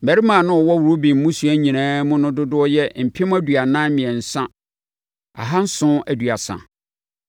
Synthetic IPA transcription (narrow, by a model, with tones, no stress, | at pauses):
mæ˨ɾi˦mãː˨nʊ̃˦ɔ˨wɔ˦wu˨ɾo˦bĩ˨m̩˦mʊ̃˦su˨˦æ˦ɲĩ˨nãː˦mʊ̃˦nʊ̃˦dʊ˦dʊ˦ɔ˦jɛ˦m̩˨pʰɪ˦m̃˦æ˦du˨a˨nãː˦mĩ˨ɛ˨n̩˨sã˦ | a̰˨ɦa˦n̩˦sʊ̃˦æ˨du˨a˨sã̰˨